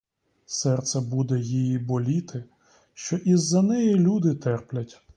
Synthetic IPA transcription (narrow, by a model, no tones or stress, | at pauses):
sɛrt̪sɛbud̪ɛjijibɔlʲit̪ʰɪ | ʃt͡ʃɔʔizːɐnɛjilʲud̪ɪt̪ɛrplʲɐtʲ